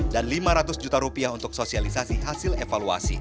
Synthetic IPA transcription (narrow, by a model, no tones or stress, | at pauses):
danlimaɾat̪ʊsd͡ʒut̪aɾupiaɦunt̪ʊk̚sosialisasiɦasilefalua̰sḭ